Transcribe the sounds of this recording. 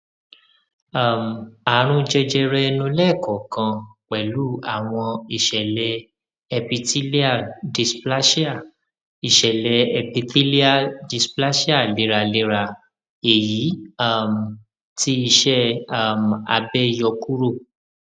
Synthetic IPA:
a˦˨m˨a˨˦ɾ̃ũ˦d͡ʒɛ˧d͡ʒɛ˧ɾɛ˧nũ˧˦lɛ˦˨kɔ˨kã˧k͡pɛ˨lu˦a˨w̃ɔ̃˧i˨ʃɛ˨lɛ˨˦ | ɛ˧pi˧ti˦li˦a˦˨di˧spla˦ʃa˦˨ | i˨ʃɛ˨lɛ˨˧ɛ˧pi˧ti˦li˦a˦˨di˧spla˦ʃi˦a˦˨le˨˦ɾa˨le˨˦ɾa˧˨ | e˨ji˨˦a˦˨m˨ | ti˦i˧ʃɛ˦a˨ma̰˧bɛ˦jɔ˧ku˦ɾo˦˨

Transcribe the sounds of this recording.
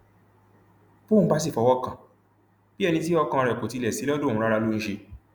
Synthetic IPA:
b̥õ˦˨˦ba˦s̬i˦˨fɔ˨˧wɔ˦kã˨ | b̥i˦ɛ˦˧nĩ˧ti˦ɔ˧kã˧ɔ˧ɾɛ˨ko˨ti˧lɛ˨si˨˦ɔ˦dõ˦˨ũ˦ɾa˦ɾa˧lu˦ñ̩˦ʃe˧

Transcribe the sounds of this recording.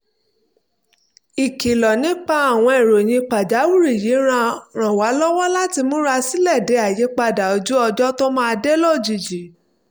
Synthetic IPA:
i˨ki˨lɔ˨nĩ˨˦k͡pa˧a˨w̃ɔ̃˧e˨ɾo˨j̃ĩ˧k͡pa˨d͡ʒa˨˦wu˦˨ɾi˦˨je˨˦ɾ̃ã˧ɾ̃ã˨wa˨˦lɔ˦wɔ˦la˦ti˧mũ˨˦ɾa˧si˦lɛ˦˨de˨˦a˨je˨˦k͡pa˧da˨o˧d͡ʒu˦ɔ˧d͡ʒɔ˦to˦mã˦˧de˦lɔ˦˨d͡ʒi˨d͡ʒi˨˦

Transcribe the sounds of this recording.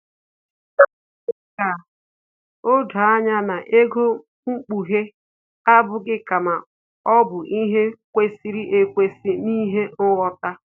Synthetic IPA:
ka˨ | o˦da˨a˦ɲa˦na˨ʔe˦ɡo˦ | ŋ͡m̩˦k͡pu˨ɦe˦ | a˦bʊ˨ɡɪ˦ka˨ma˨ | ɔ˦bʊ˨ʔi˦ɦe˦kʷe˦si˦ɾi˦ʔe˨kʷe˨si˦ni˦ɦe˦n̩˦wɔ˦ta˦

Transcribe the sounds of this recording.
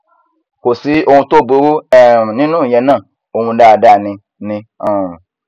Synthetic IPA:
kʷo˨si˨˧o˧wũ˧to˦˨be˧ɾu˦ɛ˨nĩ˦nũ˦˨jɛ˧nã˦˨ | o˧hũ˧da˧˨da˧˨nĩ˧ | nĩ˧ã˨

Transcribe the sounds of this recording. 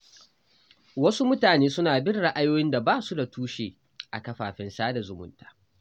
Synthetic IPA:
wɐ˦su˦mʊ˦taː˨neː˦sʊ˦naː˨bɪ˦rɽa˦ʔa˦joː˦jɪ˦nda˨baː˦su˦da˨tuː˦ʃeː˨ | ʔa̰˨kɐ˦ɸaː˨ɸɪ˦nsaː˦da˨zʊ˨mʊ̰˦ntḁː˨˦

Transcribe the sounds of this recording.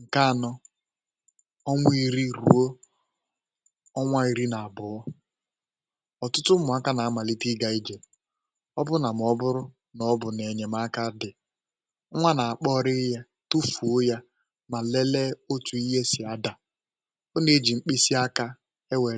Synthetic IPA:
ŋ̩˨ka˦a˨nɔ˦ | ɔ˦ŋʷ˦i˦ɾi˦ɾṵ˨o˦ | ɔ˦ŋʷa˦i˨ɾi˦na˨a˨bʊ˨˦ | ɔ˨tʊ˦tʊ˦mʊ˨a˦ka˦na˨a˦ma˨li˦ti˦ɡa˨i˦d͡ʒe˨ | ɔ˦bʊ˦na˨m˨ɔ˦bʊ˦ɾʊ˦ | nɔ˦bʊ˨ne˨ɲe˨ma˦ka˦dɪ˨˦ | ŋʷa˦na˨a˨k͡pɔ˦ɾɪ˦ja˦ | tu˦fu˨o˦ja˦ | ma˨le˦le˦o˦t͡ʃu˨i˦ɦe˦sɪ˨a˦da˨ | o˦ne˦e˦d͡ʒi˨ŋ͡m̩˦k͡pe˦si˦a˦ka˦ | e˦we˨

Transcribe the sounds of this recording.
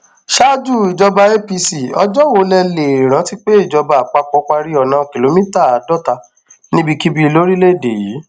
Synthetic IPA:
ʃa˦d͡ʒu˦˨i˨d͡ʒɔ˧ba˧e˦pi˧si˨ɔ˧d͡ʒɔ˦wo˧˦lɛ˧le˨ɾ̃ã˨˦ti˦k͡pe˦i˦˨d͡ʒɔ˧ba˧˨k͡pa˧k͡pɔ˧˦k͡pa˧ɾi˦ɔ˨nã˨˦˨ki˨lo˧mĩ˦ta˦˨a˨˦dɔ˦ta˧ | nĩ˦bi˦˧ki˦bi˧˦˧lo˦ɾi˦le˦˨de˨ji˨˦

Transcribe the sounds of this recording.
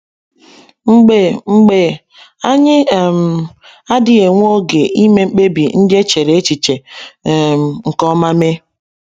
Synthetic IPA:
ŋ͡m̩˦ɡ͡be˨ŋ͡m̩˦˨ɡ͡be˨ | a˦ɲɪ˦˨m̩˨ | a˦dɪ˦e˨ŋʷ˦o˦ɡe˨ʔi˦me˦ŋ͡m̩˦k͡pe˦bi˨n̩˦dɪ˦e˦t͡ʃe˨ɾe˨e˦t͡ʃi˨t͡ʃe˨ | m˨ŋ̩˨kɔ˦ma˦me˦

